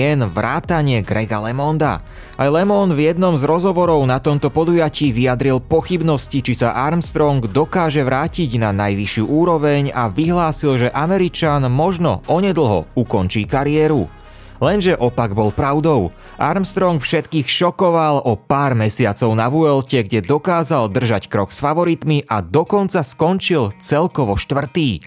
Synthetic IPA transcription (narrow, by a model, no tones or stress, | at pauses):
ɛnʋɾaːt̪aɲɪɛɡɾɛɡa̰lɛmɔnd̪a̰ | ʔajlɛmɔnvjɛd̪nɔmzɾɔzɦɔʋɔɾɔʊnat̪ɔmt̪ɔpɔd̪ujaciːʋiad̪ɾilpɔxibnɔscit͡ʃisaʔaɾmst̪ɾɔŋɡd̪ɔkaːʒɛʋɾaːciɟnanajʋiʃɪuːʔuːɾɔʋɛɲaʋiɦlaːsilʒɛʔamɛɾit͡ʃanmɔʒnɔ̰ɔɲɛd̪l̩ˠɦɔ̰ukɔnt͡ʃiːkaɾiɛːɾu | lɛnʒɛʔɔpaɡbɔlpɾaʊd̪ɔʊ | ʔa̰ɾmst̪ɾɔŋkfʃɛt̪kiːxʃɔkɔʋalɔpaːɾmɛsɪat͡sɔʊnaʋuɛlcɛɡɟɛd̪ɔkaːzald̪r̩ʒackɾɔksfaʋɔɾit̪miʔad̪ɔkɔnt͡saskɔnt͡ʃilt͡sɛlkɔʋɔʃt̪ʋr̩t̪iː